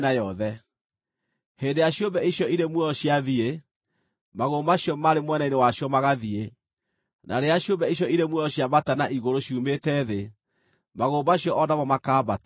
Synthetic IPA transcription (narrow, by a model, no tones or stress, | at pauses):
najɔðɛ | hendejaɕjombɛiɕjɔiɾemwɔɕjaðie | maɣoːmaɕjɔmaɾemwɛnainewaɕjɔmaɣaðie | nʔa̰ɾeaɕjombɛiɕ̬jɔiɾemwɔɔɕjaβbatanaʔiɣoɾoɕiumetɛðe | maɣoːbaɕjɔʔɔdamɔmakaːbat